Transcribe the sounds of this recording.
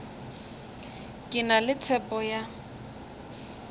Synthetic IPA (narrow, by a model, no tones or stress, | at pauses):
kʼɪnalɪt͡sʰɛpʼɔja